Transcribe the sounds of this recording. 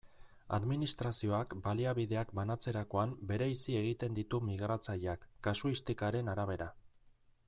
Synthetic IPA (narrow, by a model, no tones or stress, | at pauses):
a̰ðminist̪ɾasio̞akbaliaβiðe̞akbanat͡se̞ɾako̞ambe̞ɾe̞isie̞ɣit̪e̞nd̪it̪umiɣ̞ɾat͡saʎakːasuist̪ikaɾe̞naɾaβ̞e̞ɾa